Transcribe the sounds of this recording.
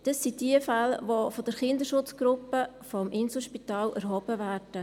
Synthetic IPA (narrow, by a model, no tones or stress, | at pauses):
d̥ɑsːid̥iəfɛlʋofɔd̥əɾχɪndəʃʊt͡sɡ̥ɾʊpːə | fɔmʔɪnsl̩ʃpitɑːlæɾɦɔbəvæːrd̥ə